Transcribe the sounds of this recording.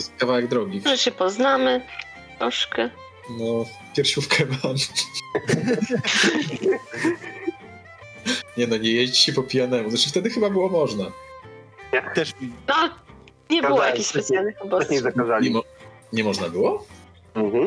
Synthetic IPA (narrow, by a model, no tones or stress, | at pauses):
ɛst̪kavawɛɡ̚d̪ɾɔɡʲiʐɛɕɛpɔznamɘ | t̪ɾɔʂkɛ | nɔ | pʲjɛɾʃufkʰɛman | ɲɛnɔɲɛjeʑt͡ɕɕɛpɔpʲijanɛmuzat͡ʂɨ̥ft̪ɛd̪ɘxɘbabɘwɔmɔʐna | jakt̪ɛʂnɔ | ɲɛbɨwɔjakʲiçspɛt̪sjalnɘxɔbɔɛzakazalʲɲɛmɔ | ɲɛmɔʐnabɘwɔ | m̩ɦm̩